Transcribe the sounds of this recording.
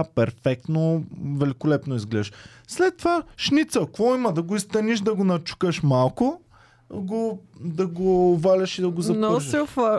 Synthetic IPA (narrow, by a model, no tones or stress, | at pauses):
pɛɾfɛk̚t̪novɛlikolɛpnoizɡlɛd̪ʃ | slɛt̪ːovaʃnit̪səkvɔimɐd̪ɐɡoist̪ɐniʃd̪ɐɡonɐt͡ʃu̥kəʃmalˠko | ɡod̪ɐɡoːvalʲəʃid̪ɐɡozɐnsɛfa